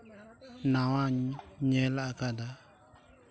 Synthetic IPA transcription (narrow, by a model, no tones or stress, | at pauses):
nawãɲɲɛlaakad̪a